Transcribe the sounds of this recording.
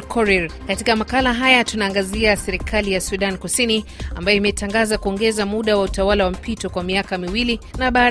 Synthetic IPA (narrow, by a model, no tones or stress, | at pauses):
kʰɔɾɛɾkatikamakalaɦajatunaːŋɡaziasɛɾikʰalijasuɗankusinia̰mbajɔimɛtaŋɡazakuɔŋɡɛzamuɗawautawalawam̩pitɔkwamiakamiwilinaɓaː